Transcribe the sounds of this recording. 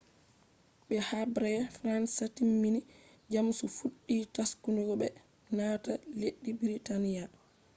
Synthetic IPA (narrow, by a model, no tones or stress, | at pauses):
ɓɛhabɾɛfɾansatimːini | d͡ʒamsufuɗːitaskunɔɡɔɓɛ | naːtaleɗːibiɾitanija